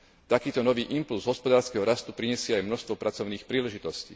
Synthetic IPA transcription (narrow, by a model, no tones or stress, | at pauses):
t̪akiːt̪ɔnɔʋiːʔimpulzɦɔspɔd̪aːɾskɛɦɔɾast̪upɾiɲɛsɪɛajmnɔʃst̪ʋɔpɾat͡sɔʊniːxpɾiːlɛʒit̪ɔscḭː